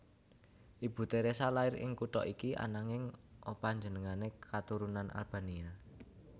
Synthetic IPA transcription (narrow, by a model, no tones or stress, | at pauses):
ʔib̥ṳt̪eɾesalaɪɾɪ̰ŋkut̪ɔʔikiʔa̰naŋɪŋʔopaɲd͡ʒə̤nəŋanekʰat̪uɾunanʔa̰lb̥a̤nia